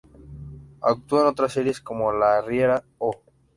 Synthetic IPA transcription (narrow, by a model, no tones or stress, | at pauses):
a̰k̚t̪uaenot̪ɾasːe̞ɾje̞sko̞molarjeɾa | o